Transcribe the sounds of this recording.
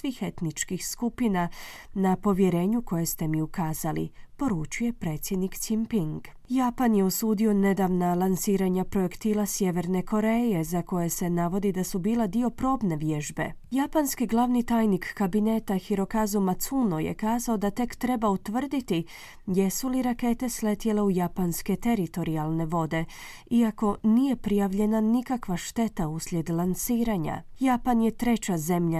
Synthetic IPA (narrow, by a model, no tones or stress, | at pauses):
sʋiːxe̞t̪nit͡ʃkixskupinanapo̞ʋje̞ɾe̞ːɲuko̞je̞st̪e̞miukaːzalḭpo̞ɾut͡ʃuje̞pɾe̞ːt̪sje̞d̪nik̪simpiŋɡ | japanjeosuːd̪io̞ne̞d̪aʋnalˠansiːɾaɲapɾo̞jekt̪iːlasje̞ʋe̞ɾne̞ko̞ɾe̞je̞zako̞je̞se̞naʋo̞d̪id̪asubiːled̪io̞pɾo̞ːbne̞ʋje̞ʒbe̞̰japanskiɡlˠaʋnit̪aːjnikːabine̞ːt̪axiɾo̞kazumat̪sunojḛkaːzao̞d̪at̪e̞kt̪ɾe̞baut̪ʋr̩d̪it̪i | je̞suliɾake̞t̪e̞sle̞t̪je̞le̞ujapanske̞t̪e̞ɾit̪o̞ɾialˠne̞ʋo̞d̪e̞iako̞nije̞pɾijaʋʎe̞nanikakʋaʃt̪e̞t̪auslʲje̞d̪lˠansiːɾaɲa̰japanje̞t̪ɾe̞t͡ɕaze̞mʎa